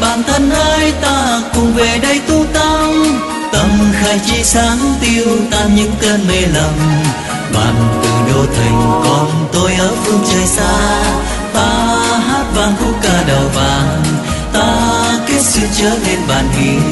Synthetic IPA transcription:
ɓaː˨˩nt̪ʰə˧nʔəː˧jt̪aː˧kʊ˨˩ŋ͡mve˨˩ɗə˧jt̪u˧t̪a˧ŋ | t̪ə˧˩mxaː˨˧˦jt͡ɕi˧saː˨˦ŋt̪i˧əwt̪aː˧ɲɨ̰˧˥ŋt̪əː˧nme˧lə˨˩m | ɓa̰ː˨˩nt̪ɨ˨˩ɗo˧t̪ʰï˨˩ŋ̟kɔ˧˩nt̪o˧jʔəː˨˦vu˧nt͡ɕəː˨˩jsaː˧ | t̪aː˧ɦaː˦˥t̚vaː˨˩nt̪ʰu˧˦kaː˧˩ɗə˨˩wvaː˨˩n | t̪aː˧ki˦˥t̚sɨ˧t͡ɕəː˨˦le˧nɓaː˨˩nʔḭ˧˩

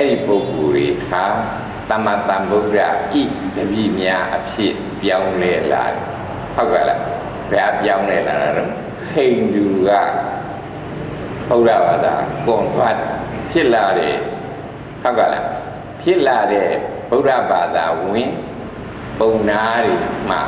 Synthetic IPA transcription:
ʔɛ˦ɾi˦˨po˦ʊko˨ɾe˨ha˨ | t̪ã˨ma˨t̪ã˨bo˦ʊta̰˦˨ʔi˦˨d̪̥əbḭ˦˨mja˦ʔəpʰjɪ˦ʔ | pjã˦ʊ̃lɛ˦la̰˨ɾɛ̰˨ | ho˦ʊkɛ̰˦˨la̰˨ | bɛ˦a˦pjã˦ʊ̃lɛ˦la̰˨ɾa̰˨ɾo˨ | kʰẽ˨ɪ̃nd̪u˨ɡa̰˦˨ | b̥o˦ʊta̰˦˨ba˨d̪a̰˨kʊ̃˨va˦t̚pʰjɪ˦ʔla˨ɾɛ̰˨ | ho˦ka˦˨la̰˨ | pʰjɪ˦ʔla˨ɾɛ˦˨ | b̥o˦ʊtä̰˦˨ba˨d̪a˨wɪ̃˨ | põ˨ʊ̃nda˦ɾe˨m̥a̰˦˨

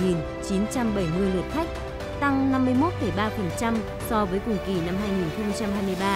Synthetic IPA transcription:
ŋi˨˩n | t͡ɕi˨˦nt͡ɕa˧mɓə˧˩jmɨ˧əjlɨ˨˩ət̚t̪ʰa˦˥jk̟̚ | t̪a˧ŋna˧mːɨ˧əjmo˦˥t̚fə˧˩jɓaː˧fə˨˩nt͡ɕa˧m | sɔ˧vəː˨˦jkʊ˨˩ŋ͡mki˨˧˩na˧mɦaː˧jŋi˨˩nxə˧ŋ͡mt͡ɕa˧mɦaː˧jmɨ˧jɓaː˧

